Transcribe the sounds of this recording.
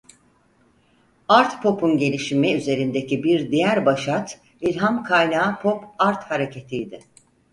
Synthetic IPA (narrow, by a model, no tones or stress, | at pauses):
aɾt̪pʰo̞pʰunɟe̞lʲiʃimmɛyze̞ɾind̪e̞cibiɾd̪ijæɾbaʃat̪ | ilʲɦamkʰajnaːpʰo̞paɾt̪haɾe̞cʰe̞t̪ʰijd̪ɪ